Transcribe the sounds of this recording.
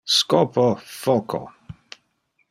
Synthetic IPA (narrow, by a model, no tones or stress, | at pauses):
skɔpɔfɔkʰɔ̰